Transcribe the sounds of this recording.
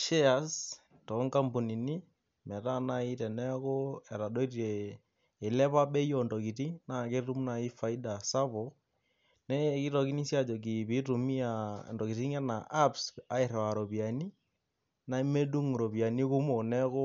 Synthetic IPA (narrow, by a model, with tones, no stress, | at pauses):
ʃe˦a˨s | tɔ˨˦ŋka˦mbu˨ni˨ni˦ | mɛ˨ta˦na˦i˦tɛ˨nɛ˦ko˦ɛ˨ɾa˨do˦i˦ɾeː˨ | lɛ˦pa˦ɓɛ˦jɔ˨ndɔ˨ki˨ti˦na˨ke˦ru˦mna˨i˦fa˨i˦da˨sa˦bo˨ | nɛ˦ki˦tɔ˨ki˦ni˦sja˦˨d͡ʒɔ˨k̬i˨pi˦tu˨mi˦a̰˨ndɔ˨ki˨ti˦ŋɛ˦na˨ʔa˦psa˨˦ɪ˨ɾɛ˨a˨ɾo˨pi˨a˨ni˦ | na˦me˦du˦ŋɾo˨pi˨a˨ni˦ku˦mo˨nɛ˦ko˦